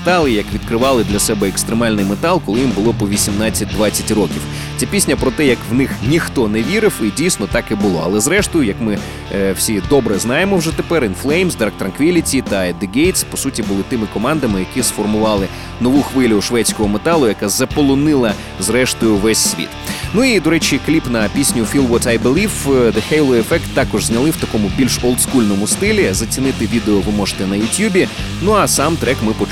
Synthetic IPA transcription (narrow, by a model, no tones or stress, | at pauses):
t̪ɑlˠɪjɐkʋʲid̪kɾɪʋɑlˠɪd̪lʲɐsɛbɛekst̪ɾemɑlʲnɪjmet̪ɑlˠkɔlˠɪjimbʊlˠɔpɔʋʲisʲimnɑt͡sʲːɐt̚ʲd̪ʋɑt͡sʲːɐtʲrɔkʲiw | t͡sʲapʲisʲnʲɐpɾɔt̪ɛjɐkʋnɪxnʲixt̪ɔnɛʋʲiɾɪwidʲijsnɔt̪ɑkɛbʊlˠɔ̰ɐ̰lˠɛzɾɛʃt̪ɔjʊjɐkmɪ | wsʲid̪ɔbɾɛznɑjemɔwʒɛt̪epɛɾɪnflˠɛjmzd̪ɐk̚t̪ɾɐnkʋʲilʲitʲit̪ɐɛd̪ɪɡejt̪spɔsutʲibʊlˠɪt̪ɪmɪkɔmɑnd̪ɐmɪjɐkisfɔrmʊʋɑlˠɪ | nɔʋuxʋɪlʲʊʃʋɛtʲt͡sʲkɔɦɔmet̪ɑlˠʊjɐkazɐpɔlˠɔnɪlˠɐ | zɾɛʃt̪ɔjʊʋɛsʲːʋʲḭt̪nuid̪ɔɾɛt͡ʃʲiklʲipnɐpʲisʲnʲʊfʲilˠʋɔt̪ajbɪlʲˠiwd̪ɐxɛjlˠɔefɛkt̪ːɑkɔʒzʲnʲɐlˠɪwt̪ɐkɔmʊbʲilʲʃɔlˠt̪skulʲnɔmʊst̪ɪlʲizɐt͡sʲinɪt̪ɪʋʲid̪eɔʋɪmɔʒe̥t̪ɛnɐjʊtʲjubʲi | nuɐsɑmt̪ɾɛkmɪpɔ